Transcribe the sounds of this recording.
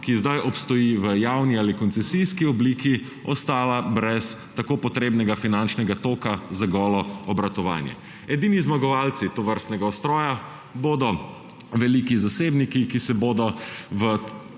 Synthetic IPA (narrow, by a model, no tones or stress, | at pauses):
kizd̪ajʔɔpst̪ɔjiʋəjawnialikɔnt̪sɛsijskiɔbliːki | ɔst̪aːlabɾɛs | t̪akoːpɔt̪ɾeːbnɛɡafinant͡ʃnɛɡat̪oːkazaɡɔːlɔɔbɾat̪ɔʋa̰ːnjɛ̰ | ɛd̪iːnizmaɡɔʋaːlt̪sit̪ɔʋəɾst̪nɛɡaɔst̪ɾɔːja | boːd̪ɔ | ʋɛliːkizaseːbnikikisɛboːd̪ɔʋə